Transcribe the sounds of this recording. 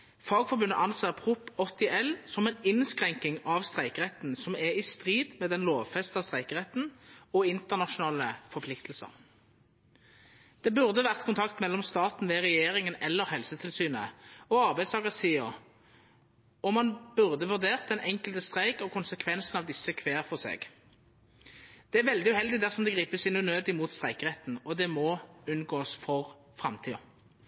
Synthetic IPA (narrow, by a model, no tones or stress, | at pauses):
fɑːɡfɔʁbʉnːə̰ʔɑnseːʁpʰʁʊpɔt̪ːɪʔɛlsɔmɛɪnɪnskʁɛŋkɪŋɑʋst̪ʁæɪkəʁɛt̪n̩sɔmɛɪst̪ʁiːd̪mɛd̪ɛnloːʋfɛst̪ɑst̪ʁæɪkəʁɛt̪n̩ɔɪnt̪əʁnɑʃʊnɑːləfɔʁpʰlɪkt̪l̩sə̰n | d̪̥ɛːbʉʁd̪əʋæʁt̪kʰʊnt̪ʰɑkt̪mɛlːɔmst̪ɑːt̪n̩ʋɛʁɛjeːʁɪŋənɛlːəʁhɛlsət̪ʰɪlsyːnə̰ɔɑʁbæɪd̪st̪ɑːɡəsiːəʁ | ɔmɑnb̥ʉʁd̪əʋʉʁd̪eːʁt̪̚d̪ɛnʔɛŋkəlt̪əst̪ʁæɪkɔkʰʊnsəkʰʋɛnsnɑʋd̪ɪsːəkʰʋeːʁfɔʁsḛːɡ | d̪̥ɛːæʁʋɛld̪ɪʉhɛld̪ɪd̪æʁsɔmd̪ɛɡʁiːpəsɪnʉnøːd̪ɪmuːt̪st̪ʁæɪkəʁɛt̪n̩ɔd̪ɛmɔʉnɡoːsfɔʁ | fʁɑmt̪ʰiːə